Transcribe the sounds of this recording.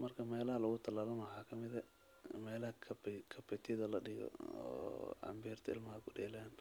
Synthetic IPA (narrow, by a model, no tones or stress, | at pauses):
mɐrkʰɐmɛːlɐɦɐlɐɣʊt̪ʰɐlaːlɐmɐħaːkʰɐmɪðɐ | mɛːlɐɦɐkʰɐkʰɐpɛt̪ʰɪðɐlɐɖɪɣɔ̰ɔ̰ɐ̰mbiːrt̪ʰɐɪ̰lmɐaɡʊɖɛːlaːn